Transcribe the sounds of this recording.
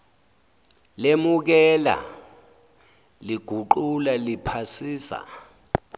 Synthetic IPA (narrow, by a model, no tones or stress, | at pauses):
lemuk̬ɛla̰ | liɡ̥ʱuǃulalipʰasiːsa̰